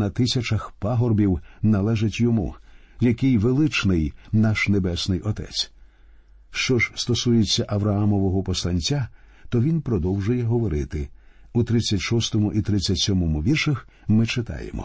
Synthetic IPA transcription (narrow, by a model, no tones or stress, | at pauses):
nɐt̪ɪsʲɐt͡ʃɐxpaɦɔrbʲiwnɐlˠɛʒɪtʲjɔmṵ | jɐkɪjʋelˠɪt͡ʃnɪjnaʃnebɛsnɪjʔɔt̪ɛ̰t͡sʲ | ʃt͡ʃɔʒst̪ɔsujet͡sʲːɐʔɐʋɾɐɦamɔʋɔɦɔpɔslˠɐnʲt͡sʲːa | t̪ɔʋʲinpɾɔd̪ɔwʒʊjɛɦɔʋɔɾɪt̪ɪ | ut̪ɾɪt͡sʲːɐtʲʃɔst̪ɔmʊʔit̪ɾɪt͡sʲːɐtʲsʲɔmɔmʊʋʲirʃɐx | mɪt͡ʃɪt̪ɑ̰jḛmɔ̰